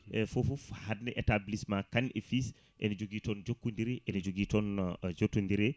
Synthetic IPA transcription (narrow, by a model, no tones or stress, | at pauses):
ɛfofufhadnɛʔɛtablismakanefis | ʔɛ̰nid͡ʒoɡiːtɔnd͡ʒokːundiɾɛʔɛnid͡ʒoɡitɔnd͡ʒotːundiɾɛ